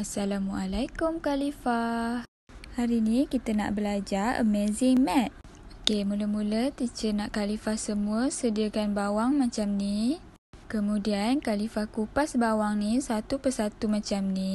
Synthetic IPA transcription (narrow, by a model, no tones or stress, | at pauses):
asalamualajkumkalifa | haɾinĩkit̪əna̰ʔbəlad͡ʒarə̰mezɪŋmɛt̪̚ | okemuləmulət̪it͡ʃənaʔkalifahsəmũəsədiəkanbawaŋmãt͡ʃamni | kəmũdiankalifahkupasbawaŋnisat̪upərsat̪umat͡ʃamni